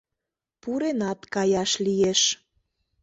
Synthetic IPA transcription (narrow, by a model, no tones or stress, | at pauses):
puɾenɑt̪kɑjɑʃlijeʃ